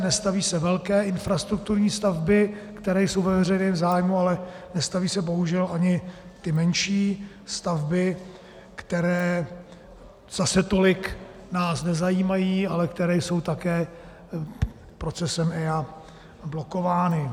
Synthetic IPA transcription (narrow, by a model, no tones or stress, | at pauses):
nɛst̪aviːsɛvɛlkɛːʔɪnfɾast̪ɾuk̚t̪uɾɲiːst̪avbɪkt̪ɛɾɛːjso̞wvɛvr̝ɛjnɛːmzaːjmualɛnɛst̪aviːsɛbo̞ɦuʒɛlʔaɲɪt̪ɪmɛnʃiː | st̪avbɪ | kt̪ɛɾɛː | z̥asɛt̪o̞lɪk | naːsnɛzajiːmajiːalɛkt̪ɛɾɛːjso̞wt̪akɛː | pɾo̞t͡sɛsɛmɛja | blo̞ko̞vaːnɪ